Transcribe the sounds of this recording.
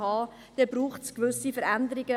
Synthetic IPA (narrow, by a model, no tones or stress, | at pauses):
hɑː | d̪̥ɛb̥ɾuːχtskʋʏsifəɾænd̪əɾɪɡə